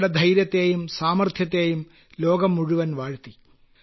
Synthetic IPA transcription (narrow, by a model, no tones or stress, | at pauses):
ɽed̪ʱɐjɾjɐt̪ːeːjumsaːmɐrt̪ʰjɐt̪ːeːjum | loːɡɐmːuɻuʋɐnʋaːɻt̪i